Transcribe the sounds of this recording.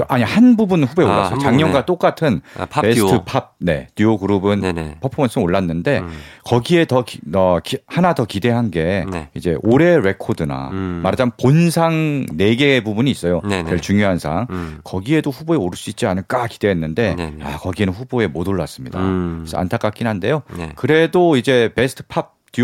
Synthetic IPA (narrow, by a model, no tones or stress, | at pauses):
ʔaɲihanbubunɸuboeoɭːasɯot͡ɕaŋɲʌnɡat͈ok͈atʰɯnpestʰɯpʰab̚ne̞̰tuoɡɯɾubɯnpʰopʰomʌns͈ʰɯoɭːanːɯnde̞kʌɡie̞tʌʌkihanadʌkide̞ɦanɡe̞id͡ʑe̞ʔoɾe̞ɾe̞kʰodɯna̰maɾd͡ʑamponsʰaŋne̞ɡe̞bubuɲiːs͈ʌjot͡ɕeɭt͡ɕuŋjoɦansʰaŋkʌɡie̞doɸuboeoɾɯɭs͈uit̚t͡ɕ͈ianɯɭk͈ak͈id̥e̞ɦenːɯnde̞a̰kʌɡienɯnɸuboe̞modoɭːas͈ɯmɲḭda̰sʰa̰ntʰak͈ak͈inɦande̞jokɯɾe̞doid͡ʑe̞pe̞sʰɯ̥tʰɯ̥pʰap̚t